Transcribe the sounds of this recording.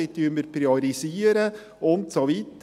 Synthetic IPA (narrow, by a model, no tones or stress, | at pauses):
ɪt̪ʰyməɾpɾioɾisiːɾə | ʔʊnt̪sɔʋit̪